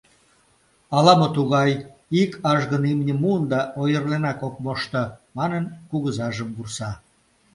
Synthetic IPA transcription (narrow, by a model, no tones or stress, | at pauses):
ɑlɑmot̪uɣɑjikʰɑʒɣənimnʲəmund̪ɑʔojərlenɑkok̚moʃt̪ə̆mɑnənkuɣəzɑʒəmbursɑ